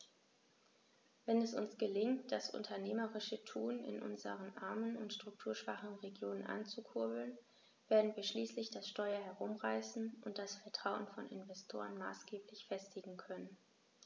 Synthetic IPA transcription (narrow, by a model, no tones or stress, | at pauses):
vɛnɛsʊnsɡ̥əlɪŋtd̥asʔʊ̰ntʰɐneːməʁɪʃətʰuːnɪ̰nʔʊ̰nzə̰ʁənʔa̰ɐmənʊntʃtʁ̥ʊk̚tʰuːɐʃv̥aχn̩ʁeɡjoːnənʔa̰nt͡sukʰʊɐbl̩n | v̥eːɐdn̩viːɐʃliːslɪçd̥asʃtɔʏɐɦɛʁʊmʁaɪsn̩ʔʊnt̚d̥asfɛɐtʁ̥aʊənfɔnɪ̰nvɛstʰo̰ːʁənma̰ːsɡ̥eːplɪçfɛstʰɪɡŋ̩kʰœnən